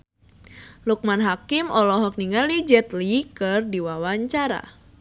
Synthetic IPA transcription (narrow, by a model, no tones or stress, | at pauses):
luk̚manɦakimɔlɔɦɔk̚niŋalid͡ʒɛt̪likɨrdiwawaɲt͡ʃaɾa̰